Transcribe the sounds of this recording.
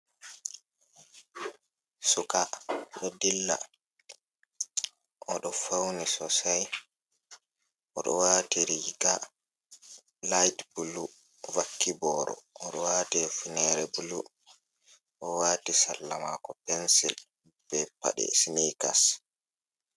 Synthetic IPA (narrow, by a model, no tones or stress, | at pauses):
sukaɗɔdilːa̰ | ʔɔɗɔfawnisɔsaj | ʔɔɗɔwaːtiɾiɡa | lajtbulu | vakːibɔːɾɔ̰ɔɗɔwaːtɛfinɛɾɛbulṵ | ʔɔwaːtisalːama̰kɔpɛnsil | b̥ɛpa̰ɗɛ̰sinika̰s